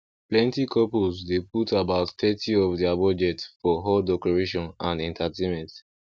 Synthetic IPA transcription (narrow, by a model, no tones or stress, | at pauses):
plɛ̃ntikʰɔpulzdeputabaʊtθɛtʰiɔfdɛabɔd͡ʒɛtsfɔɦɔldɛkɔɹeʃɔ̃nãndɛ̃ntʰatẽmɛ̃nt